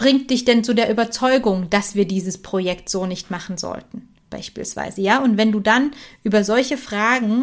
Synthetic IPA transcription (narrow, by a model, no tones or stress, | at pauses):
b̥ʁɪŋt̚d̥ɪçd̥ɛnt͡suːdeːɐʔyːbɐt͡sɔʏɡʊŋd̥asv̥iːɐdiːzəspʁ̥ojɛktz̥oːnɪçtmaχn̩zɔ̰ltn̩ | b̥a̰ɪʃpiːlsv̥a̰ɪzəjaːʔʊntv̥ɛnduːdanʔyːbɐzɔlçəfʁ̥aːɡŋ̩